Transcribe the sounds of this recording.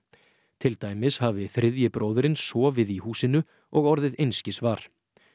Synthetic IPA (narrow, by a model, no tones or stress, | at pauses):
t̪ʰɪlt̪aːjmɪshavɪθɾɪðjɪpɾoːwðʏɾɪnssɔːvɪðihuːsɪnʏ | ɔɣɔɾðɪðejnscɪsvaːɾ̥